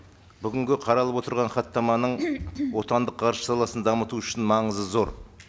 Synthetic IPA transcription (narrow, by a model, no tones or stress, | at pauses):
bʏɡʲɪŋɡʲɪqʰɑɾɑlˠəpwo̞t̪əɾʁɑɴχɑt̪ːɑmɑnəɴwo̞t̪ɑnd̪əqːʰɑɾʃə̥sɑlˠɑsənd̪ɑmət̪uʏʃɪnmɑɴəzəzo̞ɾ